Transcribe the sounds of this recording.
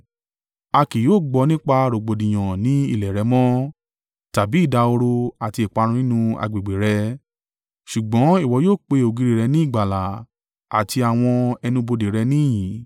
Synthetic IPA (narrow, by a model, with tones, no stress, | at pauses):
a˧ki˨joː˦˨ɡ͡bɔ˧nĩ˦k͡pa˧ɾo˨ɡ͡bo˨dĩ˨j̃ɔ̃˨nĩ˨˦ḭ˦˨lɛ˨ɾɛ˨˧˦mɔ̃˦ | ta˨bi˨˦i˦˨da˧o˧ɾo˧a˨ti˧e˨k͡pa˧ɾ̃ũ˧nĩ˦nũ˦˧a̰˧ɡ͡be˨ɡ͡be˨ɾɛ˧ | ʃu˨ɡ͡bɔ̃˨˦i˦˨wɔ˨˧˦joː˦˨k͡pe˧o˨ɡi˨˧ɾi˨ɾɛ˧nĩ˦i˦˨ɡ͡ba˨la˨ | a˨ti˧a˨w̃ɔ̃˧ɛ˧nũ˧bo˧de˨ɾɛ˧nĩ˦˨jĩ˨˦